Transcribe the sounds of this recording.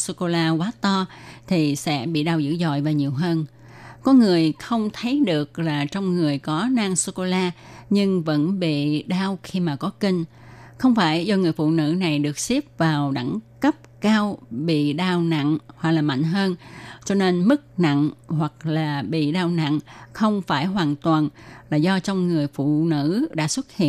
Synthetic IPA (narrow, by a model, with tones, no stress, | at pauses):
so˧ko˧laː˧kwaː˨˦t̪ɔ˧t̪ʰi˨˩sɛ̰˧˥ɓḭ˧˨ɗaː˧wzɨ̰˧˥zɔ̰˧˨jvaː˨˩wɲi˨˩əwɦəː˧n | kɔ˨˦ŋɨ˨˩əjxə˧wŋ͡mt̪ʰə˨˦jɗɨ˨˩ək̚laː˨˩t͡ɕɔ˧wŋ͡mŋɨ˨˩əjkɔ˨˦naː˧ŋsu˧ko˧laː˧ɲɨ˧ŋvə̰˧˥nɓḭ˧˨ɗaː˧wxi˧maː˨˩kɔ˨˦ki˧ŋ̟ | xə˧wŋ͡mfaː˧˩jzɔ˧ŋɨ˨˩əjfṵ˧˨nɨ̰˧˥na˨˩jɗɨ˨˩ək̚si˦˥p̚vaː˨˩wɗa̰˧˥ŋkə˦˥p̚kaː˧wɓḭ˧˨ɗaː˧wna̰˧˨ŋhwa˨˩k̚laː˨˩ma̰˧˨ŋ̟ɦəː˧nt͡ɕɔ˧ne˧nmɨ˦˥k̚na̰˧˨ŋhwa˨˩k̚laː˨˩ɓḭ˧˨ɗaː˧wna̰˧˨ŋxə˧wŋ͡mfaː˧˩jɦwaː˨˩nt̪waː˨˩nlaː˨˩zɔ˧t͡ɕɔ˧wŋ͡mŋɨ˨˩əjfṵ˧˨nɨ̰˧˥ɗa̰ː˧˥swə˦˥t̚hḭ˧˨